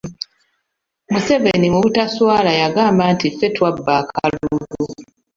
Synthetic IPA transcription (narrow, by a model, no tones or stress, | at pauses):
muse̞ve̞nimuβutaswaːlajaɡaːmbantife̞twabːaːkʰaluɡu